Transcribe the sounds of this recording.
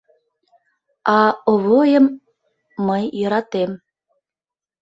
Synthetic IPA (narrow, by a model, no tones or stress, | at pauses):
ɑoβojəmː | əjːə̆ɾɑt̪em